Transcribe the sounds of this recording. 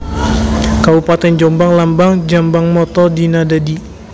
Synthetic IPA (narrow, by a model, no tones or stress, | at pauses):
kabupat̪ɛnd͡ʒɔmbaŋlambaŋd͡ʒambaŋmɔt̪ɔdinadadi